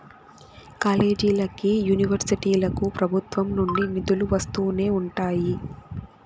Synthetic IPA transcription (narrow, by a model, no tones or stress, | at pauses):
kaːle̞ːd͡ʒiːlɐkijuːniʋɐɾsiʈiːlɐkupɾɐbʱut̪ʋɐmnuɳɖinid̪uluʋɐst̪uːne̞ːuɳʈaːji